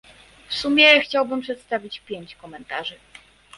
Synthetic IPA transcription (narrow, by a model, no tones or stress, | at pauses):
fsumʲjɛxt͡ɕawbɘmpʂɛt̪st̪avʲit͡ɕpʲjeɲt͡ɕkɔmɛnt̪aʐɘ